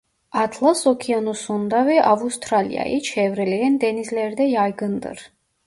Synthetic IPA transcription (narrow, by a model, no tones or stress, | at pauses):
at̪ʰlˠasɔkʰianusund̪avɛʔavust̪ʰʼɾalḭa̰ʔḭt͡ʃʰɛvɾɛlɛɛnd̪ɛnizlɛɾd̪ɛjajɡənd̪ɨ̰ɾ